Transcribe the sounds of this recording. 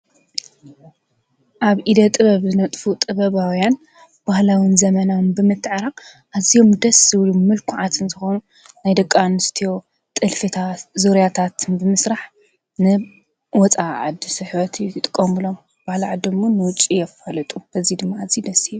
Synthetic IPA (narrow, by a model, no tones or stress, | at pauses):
ʔaβʔid̪ɐt̪ʼɨβɐβzɨnɐt̪ʼfut̪ʼɨβɐβawjan | b̥ahlawinzɐmɐnawnbɨmɨt̪ːɨʕaɾa | ʔazijo̞md̪ɐsɨwlumɨlkʰuʕat̪ʰɨnzɨxonu | najd̪ɐkʼːanɨst̪ʰijo̞ | t̪ʼɨlfɨt̪ʰazoɾjat̪ʰat̪ʰɨnbɨmɨsɾaħ | nɨ | wɔt͡sʼaʕa̰d̪isɨħβɐt̪ʰɨjujɨt̪ʼɨkʼːombɨlo̞m | b̥ahlaʕad̪ɨmːonɨwʊt͡ʃʼːijɛfalɐt̪ʼubɐzid̪ɨmːaːzid̪ɐsːiju